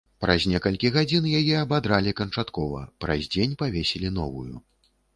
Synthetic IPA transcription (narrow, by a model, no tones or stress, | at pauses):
pɾazʲnʲɛkɐlʲkʲiɣad͡zʲinjajɛɐbad̪ɾalʲikɐnt͡ʂat̪kɔvɐ̰pɾa̰zʲd͡zʲenʲpavʲesʲɛlʲin̪ɔvujṵ